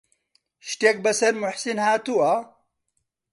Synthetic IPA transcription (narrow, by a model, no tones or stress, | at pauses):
ʃt̪ek̚bɐsɐɾmʊħsinhaːt̪ua